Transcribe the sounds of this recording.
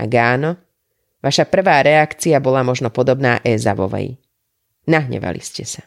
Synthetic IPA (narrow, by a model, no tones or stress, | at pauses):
a̰ɡaːnɔ | ʋaʃapr̩ʋaːɾɛakt͡siabɔlamɔʒnɔpɔd̪ɔbnaːʔɛːza̰ʋɔ̰ʋɛ̰j | naɦɲɛ̰ʋa̰lḭscɛsḁ